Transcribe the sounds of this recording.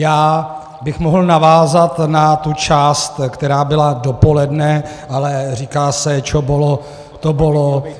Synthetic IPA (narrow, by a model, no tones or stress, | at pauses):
jaː | bɪxmoɦl̩navaːzat̪nat̪ut͡ʃaːst̪kt̪ɛɾaːbɪladopo̞lɛdnɛ | ʔalɛriːkaːsɛt͡ʃobolo | t̪obolo